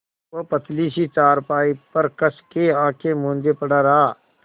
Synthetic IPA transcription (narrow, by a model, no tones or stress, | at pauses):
opət̪ʰliːsit͡ʃaːɾpaːipəɾkəskeãːkʰemõːnd͡ʒepəɽaɾaː